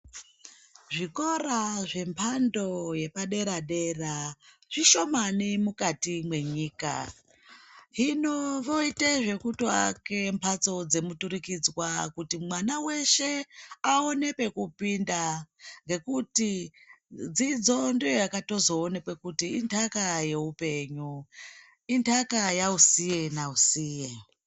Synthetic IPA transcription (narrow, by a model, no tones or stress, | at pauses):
ʐiko̞ɾaʐe̞mpʰando̞je̞paɗe̞ɾaɗe̞ra | ʐ̥iʃo̞manimukatimwe̞ɲiːka̰ | ɦinoʋo̞iteʐe̞kutoa̰ke̞mpʰat͡so̞d͡ze̞mutuɾikid͡zwakutimwanawe̞ʃe̞aone̞pe̞kupindaŋɡe̞kuti | d͡zid͡zo̞ndejojakato̞zo̞ːne̞kwe̞kutiːntʰakaje̞upe̞ɲu | intʰakajausije̞nausiːje